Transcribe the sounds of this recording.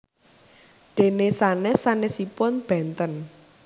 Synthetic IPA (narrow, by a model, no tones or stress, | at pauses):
ɖ̪̥e̤nesanɛsanɛsipɔnb̥ɛ̤nt̪ən